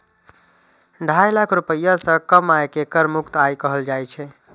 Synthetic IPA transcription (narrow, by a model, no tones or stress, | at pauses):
ɖʱajlakʰɾupəjasə̃kəmaekekəɾmukt̪ajkəɦəld͡ʒajt͡ʃʰɛ